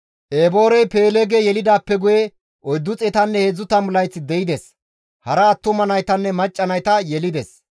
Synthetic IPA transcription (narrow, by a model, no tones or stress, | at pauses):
ʔeːbo̞ːɾɛjpe̞ːlɛɡɛjɛlɪd̪aːpːɛɡʊjɛ | ʔɔjd̪ːʊt͡sʼɛt̪ɐnːɛhezːʊt̪ɐmʊlɐjt͡sːɪd̪ɛɪd̪ɛs | hɐɾɐːt̪ːʊmɐnɐjt̪ɐnːɛmɐt͡ʃʼːɐnɐjt̪ɐjɛlɪd̪ɛs